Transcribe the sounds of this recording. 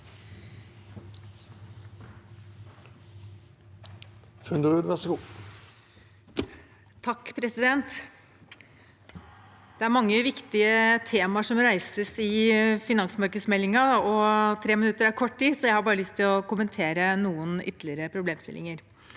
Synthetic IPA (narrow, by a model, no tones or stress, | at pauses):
fʉnd̪əʁʉːd̪ʋæʁsɡuː | t̪ʰɑkːpʰɾɛsɪd̪ɛnt̪ | d̪̥ɛæɾmɑŋːəʋɪkt̪ɪət̪ʰeːmɑʂɔmɾæɪsəsɪfɪnɑŋsmɑɾkəsmɛlːɪŋɑɔt̪ʰɾeːmɪnʉt̪ːəɾæɾkʰɔʈtiːsɔjæɪhɑɾbɑːɾəlʏst̪ʰːɪlɔkʊmənt̪ʰeːɾənuːənʏ̰t̪ːəlɪəɾəpʰɾʊbleːmst̪ɪlɪ̰ŋəɾ